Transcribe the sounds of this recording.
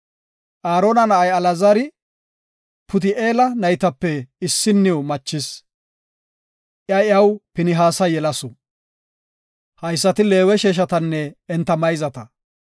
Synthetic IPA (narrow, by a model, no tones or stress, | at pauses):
ʔaːɾoːnɐnɐʔɐjɐlɐzɐɾɪ | pʊt̪ɪʔeːlɐnɐjt̪ɐpːɛɪsːɪnːɪʊmɐt͡ʃːɪs | ʔjɐjɐwpɪnɪɦaːsɐjɛlɐsɔ | hɐjsːɐt̪ɪle̞ːwɛʃeːʃ̬ɐt̪ɐnːɛɛnt̪ːɐmɐjzɐt̪ɐ